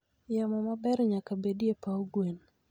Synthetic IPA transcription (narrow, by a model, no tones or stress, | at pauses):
jamɔmabɛɾɲakabedjepaoɡwen